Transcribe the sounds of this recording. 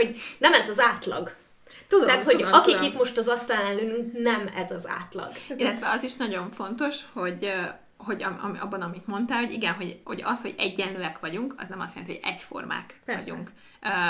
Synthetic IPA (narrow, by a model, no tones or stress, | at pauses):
ho̞ɟnɛmɛzɒzaːt̪lɒ̰ɡ | t̪ut̪ɛːt̪hoɒkikit̪mo̞ʃt̪ɒzɒst̪aːlɛnlyːnyŋknɛmɛzɒza̰ːt̪lɒ̰ɡ̥ilːɛt̪ʋɛɒziʃnɒɟo̞ɱfo̞nt̪o̞ʃho̞ɟ | hoɟɒɒ̰mɒ̰bːɒnɒmit̪mo̞nt̪aːlho̞ɟiɡɛnɦo̞ɟho̞̰ɟɒshoɟɛɟːɛnløːɛkʋɒɟuŋkɒ̰znɛmɒst̪jɛnt̪ihoɟ̥ɛ̰ɟfo̞̰rma̰ːkʋɒ̰ɟṵŋkː